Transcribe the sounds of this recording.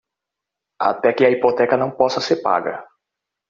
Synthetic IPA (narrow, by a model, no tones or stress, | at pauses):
a̰t̪ɛkɪɐipot̪ɛkɐnɐ̃w̃pɔsɐseɾpa̰ɡɐ̰